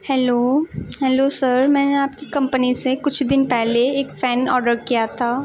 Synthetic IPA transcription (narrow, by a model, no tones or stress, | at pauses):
hɛloːɦɛːlosəɾmɛ̃ːneaːp̚kikɐ̃mpənisekʊt͡ʃʰd̪ɪnpɛɦleeːkfɛːnɔːɾɖəɾkijat̪ʰaː